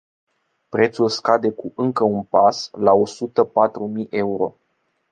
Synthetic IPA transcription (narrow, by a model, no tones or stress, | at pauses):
pɾe̞t̪sulskad̪e̞kuʔɨŋkəunpaslao̞sut̪əpat̪ɾumijʔe̞uɾo̞̰